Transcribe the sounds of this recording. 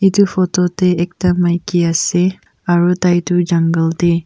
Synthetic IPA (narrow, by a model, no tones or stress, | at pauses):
itupʰɔtɔteɛk̚tamajkiase | aɹutajtud͡ʒaŋɡəlte